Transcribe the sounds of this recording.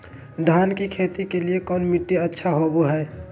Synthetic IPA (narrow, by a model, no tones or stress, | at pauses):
d̪ʱaːnkikʰeːt̪ikeliekɔːnmiʈːiətːʃʰaɦoboɦɛː